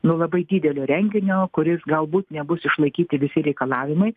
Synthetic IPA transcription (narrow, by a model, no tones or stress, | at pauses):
nuːlˠɐbɐɪd̪ʲiːd̪ʲɛlʲoːɾʲɛŋʲɡʲɪnʲoːkʊɾʲɪsɡɐlˠbuːt̪nʲɛbʊsɪʃlˠɐɪkʲiːt̪ʲɪʋʲɪsʲɪɾʲɛɪkɐlˠɑːʋʲɪmɐɪ